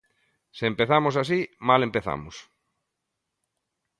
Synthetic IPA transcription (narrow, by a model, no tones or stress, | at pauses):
sɪempeθamʊsas̬imalempeθa̰mʊs